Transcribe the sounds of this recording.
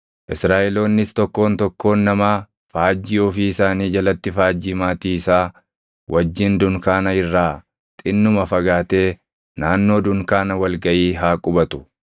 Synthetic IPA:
ʔɪsɾaːʔɛlo̞ːnːɪst̪ɔkːo̞ːnt̪ɔkːo̞ːnːɐmaː | faːd͡ʒːiːɔfiːɪsaːniːd͡ʒɐlɐt̪ːɪfaːd͡ʒːiːmaːt̪iːsaː | wʔɐd͡ʒːɪnd̪ʊŋkaːnɐɪrːaː | t̪ʼɪnːʊmɐfɐɡaːt̪e̞ː | naːnːo̞ːd̪ʊŋkaːnɐwɐlɡɐʔiːɦaːkʼʊbɐt̪ʊ̥

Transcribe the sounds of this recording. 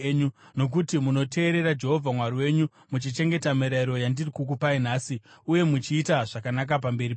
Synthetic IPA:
ɲuno̞k̬utimuno̞tʰe̞ːɾe̞ɾad͡ʒe̞ɦo̞vʱamwaɾiwe̞ːɲu | mut͡ʃit͡ʃe̞ŋɡe̞tamiɾaiɾo̞jandirikuk̬upainaːsiuje̞mut͡ʃiːtaʐakanak̬ap̬ambe̞ɾi

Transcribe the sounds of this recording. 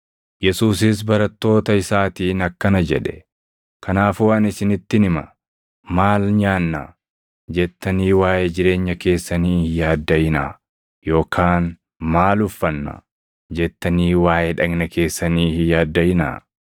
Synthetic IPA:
jɛsuːsɪs̬bɐɾɐt̪ːo̞ːt̪ɐɪsaːt̪iːnɐkːɐnɐd͡ʒɛᶑɛ̥ | kɐnaːfuːɐnɪsɪnɪt̪ːɪnɪmɐ | maːlɲaːnːɐ̰ | d͡ʒɛt̪ːɐniːwaːjed͡ʒɪɾe̞ːɲːɐke̞ːsːɐniːhjaːd̪ːɐjɪnaː | jo̞ːkʰaːn | maːlʊfːɐnːɐ̰ | d͡ʒɛt̪ːɐniːwaːjɛᶑɐɡnɐkʰe̞ːsːɐniːhjaːd̪ːɐjɪna̰ː

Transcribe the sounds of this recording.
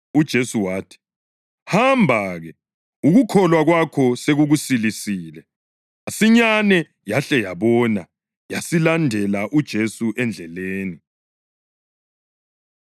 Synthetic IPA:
ud̥ʒ̥ʱesuwaːtʰi̥ | hambʱaɣɛ | uɣukʰɔlwaɣwakʰɔseɣuɣusilisiːlɛ | asiɲanɛ | jaɬɛjaβɔna | jasilandʱɛlaʔud̥ʒ̥ʱesuʔɛnd͡ɮʱɛleːni

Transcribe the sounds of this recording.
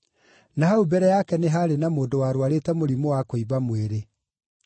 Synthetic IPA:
naɦaubɛɾɛjakɛneɦaɾenamoːndowaɾwaɾetɛmoɾimowakoiβamweɾe

